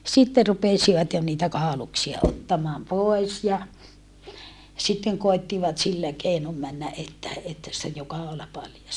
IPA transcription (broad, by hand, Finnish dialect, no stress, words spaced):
sitːe rupesiʋɑt jo niːtæ kɑˑoluksiɑ otːɑmɑːm poˑi̯s jɑ sitːeŋ koi̯tːiʋɑt silːæ keinom mænːæ ʔetːæ etːæ sĭtːej jo kɑolɑ pɑljɑs